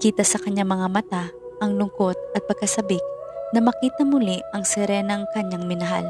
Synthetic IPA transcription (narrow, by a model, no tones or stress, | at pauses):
kiːt̪ɐsɐkɐɲːaŋmɐŋamɐt̪a | ʔɐŋlʊŋkot̪̚ɐt̪̚pɐɡ̚kɐsɐbɪk̚nɐmɐkiːt̪ɐmʊliɐŋsɛɾɛnɐŋkɐɲːaŋmɪnɐɦa̰l